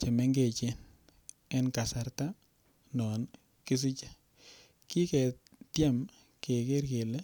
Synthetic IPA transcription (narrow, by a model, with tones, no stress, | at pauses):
t͡ʃe˨mɛ˦ŋɡe˨t͡ʃɪ˦n | ɛ˦nka˨sa˨ɾta˦ | nɔ˨n | kɪ˦s̬ɪ˦t͡ʃḁ˦ | ki˦kɛ˨ | tjɛ˦m | ke˨ke˦ɾɡe˨lɛ˦